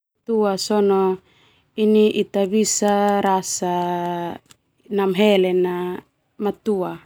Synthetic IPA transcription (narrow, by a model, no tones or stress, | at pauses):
t̪uasɔnɔ | iniʔit̪abisaɾasa | namɦɛlɛna | mat̪ua